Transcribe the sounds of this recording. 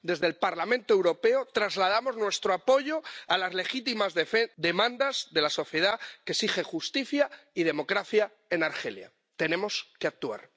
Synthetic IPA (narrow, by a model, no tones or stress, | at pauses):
d̪e̞zðe̞lpaɾlamẽnt̪oe̞wɾo̞pe̞ot̪ɾazlað̞amo̞znwe̞st̪ɾoapo̞ʝo̞alazle̞xit̪imazed̪e̞mãnd̪azðe̞laso̞θje̞ð̞akesixexust̪iθjaið̞e̞mo̞kɾaθja | e̞naɾxe̞̰lja̰ | t̪e̞nẽ̞mo̞ske̞ak̚t̪ua̰ɾ